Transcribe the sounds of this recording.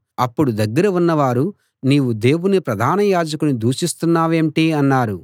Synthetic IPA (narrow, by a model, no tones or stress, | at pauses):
ɐpːuɽud̪ɐɡːɐɾɐunːɐʋaːɾu | niːʋud̪e̞ːwunipɾɐd̪ʱaːnɐjaːd͡ʒɐkunid̪uːʂist̪unːaːʋeːmʈiɐnːaːɾu